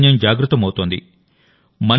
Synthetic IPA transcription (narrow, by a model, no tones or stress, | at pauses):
njɐmd͡ʒaːɡɾut̪ːɐmɐwt̪oːnd̪ḭ | mɐn